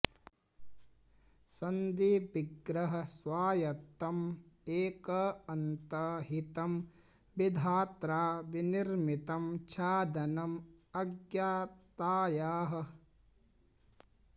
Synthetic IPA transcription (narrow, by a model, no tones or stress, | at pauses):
sɐnd̪ipiɡɾɐɦɐ̆sʋaːjɐt̪ːɐmeːkɐɐnt̪ɐɦit̪ɐm | bid̪ʱaːt̪ɾaːʋiniɾmit̪ɐmt͡ʃʰaːd̪ɐnɐmɐɡjaːt̪aːjaːɦɐ̆